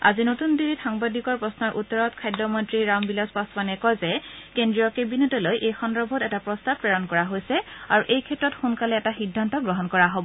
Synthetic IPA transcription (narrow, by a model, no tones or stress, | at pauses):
a̰zinotundiɹitxaŋbadikɔɹpɹɔsnɔɹʔutːɔɹɔtkʰajdɔmɔntɹiɹambilaspasbanɛkɔjzɛkendɹijɔkebinutɔlojʔejxɔndɹɔbʱɔtɛtapɹɔstab̚pːɹɛɹɔnkɔɹaɦojsɛaɹuʔejkʰɛtɹɔtxunkalɛːtaxidʱːantɔɡɹɔɦɔnkɔɹaɦobɔ